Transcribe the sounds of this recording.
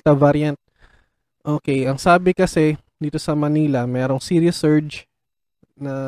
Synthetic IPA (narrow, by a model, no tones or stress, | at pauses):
t̪ɐvaɾjɐnt̪̚ | ʔoːkɛjɐŋsaːbɪkɐsɛ | d̪iːt̪o̞sɐmɐniːlɐmɛːɾo̞ŋsiːɾiɐsɛɹd͡ʒ | nɐ